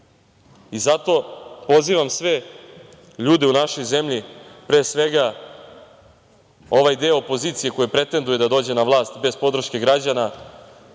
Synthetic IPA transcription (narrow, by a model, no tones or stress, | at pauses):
izat̪o̞po̞ziːʋamsʋe | ʎuːd̪e̞unaʃo̞jze̞mʎipɾeːsʋe̞ɡa | o̞ʋajd̪eoopo̞ziːt̪sije̞ko̞jepɾe̞t̪e̞nd̪uje̞d̪ad̪o̞ːd͡ʑe̞naʋlˠaːst̪be̞zpo̞d̪ɾ̩ʃke̞ɡɾad͡ʑana